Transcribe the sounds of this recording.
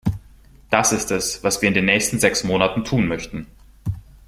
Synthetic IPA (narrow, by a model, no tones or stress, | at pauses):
d̥asɪstɛsv̥asv̥iːɐɪndeːnːɛːçstn̩zɛksmoːnatn̩tʰuːnmœçtn̩